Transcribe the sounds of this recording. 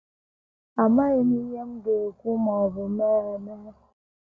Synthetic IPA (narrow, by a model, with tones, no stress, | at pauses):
a˨ma˦i˨ni˦ɲe˦m˦ɡe˨kʷu˦mɔ˨vʊ˨mɛ˦ɛ˨nɛ˦˨